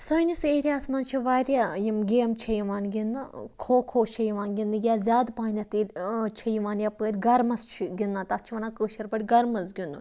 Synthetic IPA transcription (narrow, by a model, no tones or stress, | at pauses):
sɐnʲiseɾʲjaːsmɐnt͡ʃʰiʋaːɾʲjaːjimɡʲeːmt͡ʃʰɐjiʋaːnɡʲind̪ɨkʰoːkʰoːt͡ʃʰɐjiʋaːnɡʲind̪ɨɡʲaːzʲjaːd̪paːnʲɐt̪ilʲt͡ʃʰɐjiʋaːnjapəːɾʲɡɐɾmɐst͡ʃʰiɡʲinːat̪ɐt͡ʃʰiʋɐnaːkəːʃɐɾpɐɽʲɡɐɾmɐzɡʲind̪u